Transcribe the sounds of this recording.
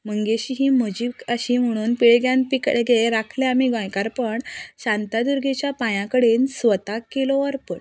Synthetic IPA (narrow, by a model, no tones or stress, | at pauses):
məŋɡeɕiɦim̤əd͡ʑiːkəɕim̤əɽ̃uːnpiɭeɡjãnpikeɡeeɾakʰleamiɡɔ̃jkaɾpəɳɕãnt̪ad̪uɾɡʱet͡ɕjapãjãkəɽensʋət̪akelɔəɾpəɽ